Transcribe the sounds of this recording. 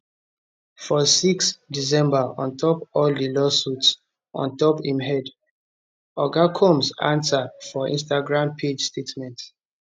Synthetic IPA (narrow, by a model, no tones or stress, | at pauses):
fɔsiksdis̬ɛ̃mbaɔ̃ntʰɔpɔllilɔsuts | ɔ̰̃ntɔphĩmɦɛd | ɔɡakʰɔ̃msã̰nsafɔʔḭ̃ns̬taɡɹãmpʰed͡ʒstetmɛ̃nt